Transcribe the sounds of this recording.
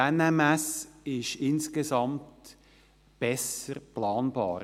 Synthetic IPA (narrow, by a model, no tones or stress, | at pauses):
ɛnɛmɛsɪʃɪnskəzɑmt | b̥ɛsəɾplɑːnbɑ̰ːɾ